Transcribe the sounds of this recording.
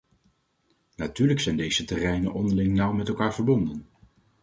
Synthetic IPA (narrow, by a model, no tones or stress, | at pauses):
natyːɹləksɛjndejzətɛrɛjnəʔɔndəɹlɪŋnʌwmɛtɛlˠkaːɹvəɹbɔndən